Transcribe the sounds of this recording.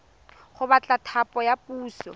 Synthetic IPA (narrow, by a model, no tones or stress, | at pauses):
χʊbat͡ɬʼatʰapʼɔjapuːsɔ